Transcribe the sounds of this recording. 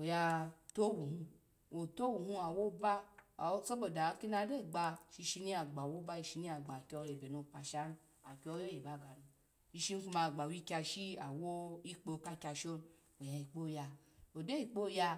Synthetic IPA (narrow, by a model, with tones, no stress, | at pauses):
o˨ja˧to˦wu˨hũ˧ | o˨to˦wu˨hũ˦a˨wo˦ba˦˨˦so˦bo˨da˨˦ki˦na˧˦de˦˨ɡ͡ba˧ʃi˧ʃi˧ni˦a˨ɡ͡ba˨wo˦ba˦i˧ʃi˧ni˦a˨ɡ͡ba˨kʲɔ˧je˨be˨nu˧˨pa˧ʃa˦n˦ | a˨ki˧˦ɔ˧˦jo˦je˨ba˨˦˨ɡa˨nu˧ | i˧ʃi˦n˦fu˧ma˧˨ɡ͡ba˨wi˦kʲa˧ʃi˦a˨wo˦i˦k͡po˧˨ka˦˧kʲa˧ʃo˦n | o˨ja˨i˨k͡po˦˨ja˧ | o˨de˦i˨k͡po˦˨˧ja˧